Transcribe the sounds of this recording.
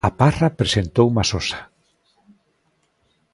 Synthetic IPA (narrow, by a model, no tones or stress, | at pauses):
aparapɾesent̪owumasosḁ